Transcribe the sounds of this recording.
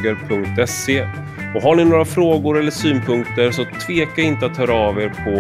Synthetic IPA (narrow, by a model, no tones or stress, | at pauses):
ɡəɾpʰɵŋk̚t̪ɛseː | ɔɦaɳɪnoːɾafɾoːɡʊɾɛlːəʂyːnpʰɵŋkt̪əɾsɔt̪ʰveːkaɪnt̪əat̪hœːɾaɑveːɾpʰɔ